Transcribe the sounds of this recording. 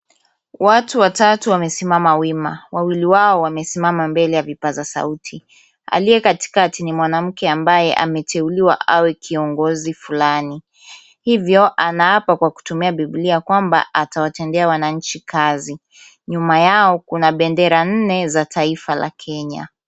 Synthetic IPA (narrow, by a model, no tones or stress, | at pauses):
watuwatatuwamɛsimamawimawawiliwaɔwamɛsimamambɛlɛjavipazasa̰utʰi | a̰lijɛkati̥katinimwanam̩kɛambajɛʔa̰mɛtʰɛuliwa̰ʔawɛkʰiɔŋɡɔzifulani | hivjɔʔanaapakwaku̥tumiaɓibliakwamba̰ʔatawatɛndɛawanaɲ̩t͡ʃikʰazi | ɲumajaɔkunaɓɛndɛɾan̩nɛzatʰaifala̰kʰɛɲa̰